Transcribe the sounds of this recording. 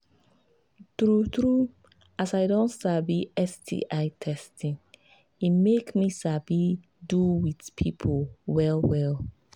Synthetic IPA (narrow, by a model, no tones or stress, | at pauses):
tɹutɹu | asaɪdõntsabiɛsdḭʔaɪtʰɛstʰĩŋ | imekmisabi | duwidpʰipʰowɛlˠwɛlˠ